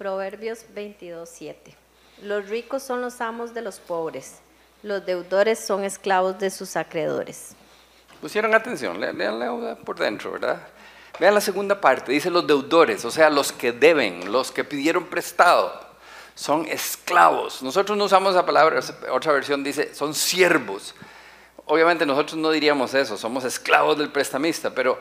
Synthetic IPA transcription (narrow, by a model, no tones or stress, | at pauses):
pɾoβe̞ɾbjozbejnt̪iðo̞sːje̞t̪e | losrikosːo̞nlosamozd̪e̞lospoβɾes | lozd̪e̞wdoɾe̞sːo̞ŋe̞sklaβozd̪e̞susakɾeðo̞̰ɾḛs | pusje̞ɾo̞ŋat̪e̞ns̬jo̰nleleanleusapoɾðḛnt̪ɾo̰βeɾða̰ | beanlase̞ɣund̪apaɾt̪e̞ðiselozd̪e̞wdo̞ɾe̞so̞se̞aloskeðe̞βḛŋloske̞piðje̞ɾo̞mpɾe̞st̪aðo̰ | so̞ŋḛskla̰βo̰snoso̞t̪ɾoznous̬amosesapalaβɾasot̪ɾaβeɾsjo̞nd̪ise̞̰so̞nsje̞ɾβos | oβjamẽ̞nt̪eno̞so̞t̪ɾozno̞ðiɾiamo̞se̞so̞so̞mose̞skla̰βo̞zðe̞lpɾe̞st̪amist̪ape̞ɾo̞